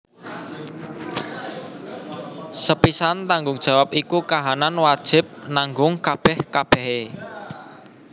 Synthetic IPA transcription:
səpisant̪aŋɡʊŋd̥ʒ̥a̤wap̚ikukaɦananwad̥ʒ̥ɪ̤p̚naŋɡʊŋkab̥ɛhkab̥ɛ̤ɦe

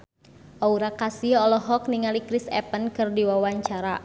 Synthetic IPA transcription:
ʔauɾakasiɔlɔɦɔk̚niŋalikɾisɛ̰pənkɨrdiwawaɲt͡ʃaɾa

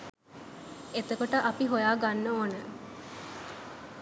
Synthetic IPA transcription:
et̪əkoʈəʔapiɦojaːɡanːoːnə

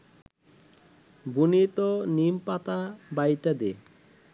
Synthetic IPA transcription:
bunit̪onimpat̪abajʈad̪e

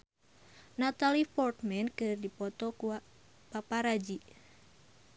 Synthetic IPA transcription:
nat̪alipɔrt̪̚mɛnkɨrdipɔt̪ɔku | papaɾad͡ʒi

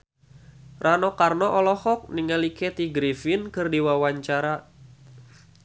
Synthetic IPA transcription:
rʔanɔkarnɔʔɔlɔhɔk̚niŋalikɛt̪iɡɾifɪnkɨrdiwawaɲt͡ʃaɾa

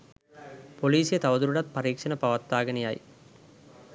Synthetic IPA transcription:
poliːsɪjɐt̪ɐʋɐðɯɾɯɽɐt̪̚pɐɾiːkʂɐnɐpɐʋɐt̪ːaːɣɐnija̰ːj

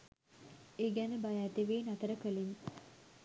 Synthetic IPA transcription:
eɡænəbajæːt̪eʋeːnat̪əɾəkəlin

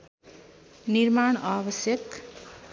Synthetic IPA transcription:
nirmaɳ̃abʌsjʌk

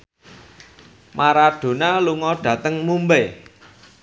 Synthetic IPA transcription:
mʔaɾaɖ̥o̤naluŋɔɖ̥ä̤t̪əŋmumbe

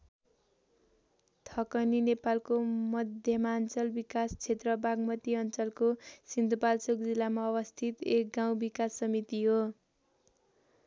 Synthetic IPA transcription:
t̪ʰʌkʌninepalkomʌd̪ʱjʌmant͡sʌlbikast͡sʰet̪rʌbaɡmʌt̪iʌnt͡sʌlkosind̪ʱupalt͡sok̚d͡zilːamaʌbʌst̪ʰit̪ek̚ɡaw̃bikasʌmit̪iɦo

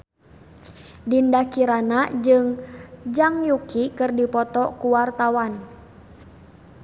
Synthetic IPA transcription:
dindakiɾanad͡ʒɨŋd͡ʒaŋjukikɨrdipɔt̪ɔkuwart̪awan

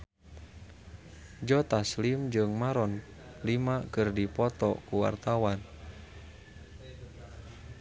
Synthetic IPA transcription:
d͡ʒɔt̪aslimd͡ʒɨŋmaɾɔn | limakɨrdipɔt̪ɔkuwa̰rt̪awan

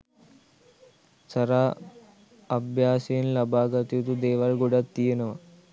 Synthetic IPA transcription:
sɐɾaː | ɐbʱjaːsinlɐbaːɡɐt̪jut̪ud̪eːʋɐɾɡuɽɐt̪ːijɐnɐʋɐ

